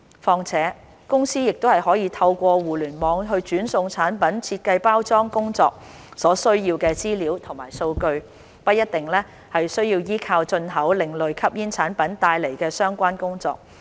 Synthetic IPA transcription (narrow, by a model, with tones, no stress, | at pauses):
fɔː˧ŋt͡sʰɛː˨˥ | kʊ˥ŋsiː˥jɪ˨k̚t̪o˥whɐ˨˩jɦɔː˨˥jiː˨˧t̪ʰɐ˧wkʷɔː˧wuː˨˩lyː˨˩nmɔː˨˧ŋɦɵ˧ɥt͡ʃyː˨˥nsʊ˧ŋt͡sʰaː˨˥npɐ˨˥nt͡sʰi˧t̚kɐ˧jpaː˥wt͡sɔː˥ŋkʊ˥ŋt͡sɔː˧k̚ | sɔː˨˥sɵ˥ɥjiː˧wkɛː˧t͡siː˥liː˨˥wt̪ʰʊ˨˩ŋma̰ː˨˩jso˧wkɵ˧ɥ | pɐ˥t̚jɐ˥t̚t̪ɪ˨˩ŋlɛː˥ | hɐ˨jsɵ˥ɥjiː˧wjiː˥kʰaː˧wt͡ʃɵ˧nɦɐ˨˥wlɪ˨ŋlɵ˨ɥkʰɐ˥p̚jiː˥nt͡sʰaː˨˥npɐ˨˥nt̪aː˧jle˨˩jkɛː˧sœː˥ŋkʷaː˥nkʊ˥ŋt͡sɔ̰ː˧k̚